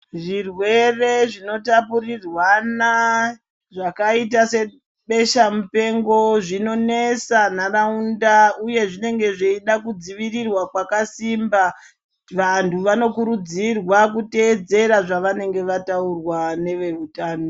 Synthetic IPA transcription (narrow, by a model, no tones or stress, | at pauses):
ʐirwe̞re̞ʐino̞tapurirwana | ʐakaitase̞ | ɓe̞ʃamupe̞ŋɡo̞ʐino̞ne̞sanaraundauje̞ʐine̞ŋɡe̞ʐeiɗakud͡ziʋirirwakwakasimba | ʋantʰuʋano̞kuɾud͡zirwakute̞ːd͡ze̞ɾaʐaʋane̞ŋɡe̞ʋataurwane̞ʋe̞utaːno